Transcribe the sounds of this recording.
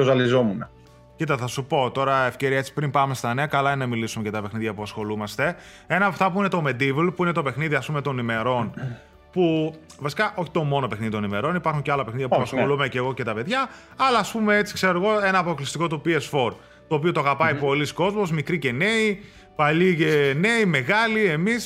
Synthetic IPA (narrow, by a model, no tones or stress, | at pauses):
ozɐlizomunɐ | cit̪ɐθɐsupo̞t̪o̞ɾɐe̞fce̞ɾiɐe̞t͡si̥pɾimpɐme̞st̪ɐneɐkɐlɐennɐmilisumecɐt̪ɐpe̞xniðʝɐpuɐsxo̞lumɐst̪e̞ | e̞nɐːpɐft̪ɐpuine̞t̪o̞me̞d̪ivlpuinet̪o̞pe̞xniðiɐspume̞t̪o̞nime̞ɾo̞n | puvɐsikɐʔo̞çi̥t̪o̞mo̞no̞pe̞xniðit̪o̞nime̞ɾo̞nipɐɾxuɲceɐlɐpexniðjɐuɐsolumeceɣo̞ce̞t̪ɐpe̞ðʝɐɐlɐːspume̞et͡si̥kseɾoɣo̞e̞nɐːpo̞klist̪iko̞t̪upiesfo̞ɾ | t̪oːpio̞t̪oɣɐpɐipo̞lisko̞zmo̞zmikɾice̞ne̞i | pɐʎicene̞ime̞ɣɐlie̞mis